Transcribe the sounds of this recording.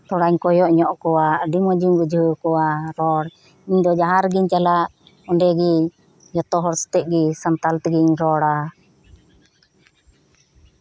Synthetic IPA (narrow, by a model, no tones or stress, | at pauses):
t̪ɔɽaɲkɔjɔʔɲɔʔkɔwaʔɖimɔd͡ʒimbud͡ʒʱukɔwaɾɔɽ | iɲd̪ɔd͡ʒaɦaɾɡiɲt͡ʃalaʔ | ɔɳɖɛɡi | jɔt̪ɔɦɔɾst̪ɛʔ̚ɡisant̪alt̪ɡiɲɾɔɽa